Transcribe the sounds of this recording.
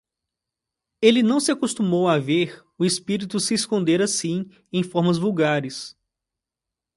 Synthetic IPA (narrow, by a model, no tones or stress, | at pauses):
elɪnɐ̃w̃sɪakost̪umowaveɾ | ʊespiɾit̪ʊsɪːskõnd̪eɾasĩ | ẽj̃fɔɾmɐzvuwɡaɾɪs